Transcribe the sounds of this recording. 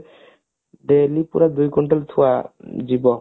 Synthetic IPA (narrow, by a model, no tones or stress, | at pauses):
ɖelipṵɾad̪ujkɔɳʈɔlt̪ʰuwad͡ʑibɔ